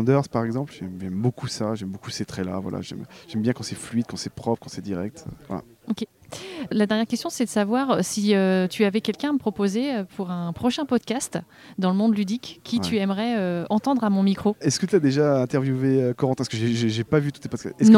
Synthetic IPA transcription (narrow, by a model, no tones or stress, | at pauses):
d̪œʁzpaʁɛɡzɑ̃plʒɛmʒɛmbokʰusaʒɛmbokuset̪χɛla̰vwa̰la̰ʒɛ̰mʒ̥ɛmbjɛ̃kɑ̃sɛflɥid̪̚kɑ̃sɛpχɔpχkɑ̃sɛd̪iʁɛk̚t̪ø̰vwa̰la̰ | okʲe | lad̪ɛʁnjɛʁkʲɛst̪jɔ̃sɛd̪əsavwaʁøsiøt̪ʰyavɛkʲɛlkʲɛ̃aməpχɔpozeøpʰuʁɛ̃pχɔʃɛ̃pɔd̪kʲast̪ | d̪ɑ̃ləmɔ̃d̪lyd̪ikʲːit̪ʰyɛmʁɛøɑ̃t̪ɑ̃d̪ʁamɔ̃mikχoɛskət̪yad̪eʒaɛ̃t̪ɛʁvjuveøkɔʁɑ̃t̪ɛ̃skəʒeʒeʒepavyt̪u̥t̪epɔd̪kaɛsnɔ̃